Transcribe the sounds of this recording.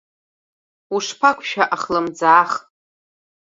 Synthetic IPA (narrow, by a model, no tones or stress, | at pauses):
uʂpʰakʷʰʃaʔaχlɨmd͡zaːχʼ